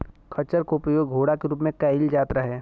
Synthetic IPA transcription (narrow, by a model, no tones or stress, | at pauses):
kʰɐt͡ʃəɾkopjoːɡɡʱoːɽakeɾuːpmẽkɐɪld͡ʒaːt̪ɾɐɦɛː